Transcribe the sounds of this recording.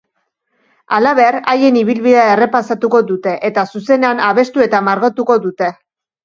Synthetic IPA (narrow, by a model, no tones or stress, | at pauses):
alaβeɾaje̞niβilβiðeae̞re̞pasat̪uko̞ðut̪e̞ʔet̪asuse̞ne̞anaβe̞st̪ue̞t̪amaɾɣot̪uko̞ðut̪e̞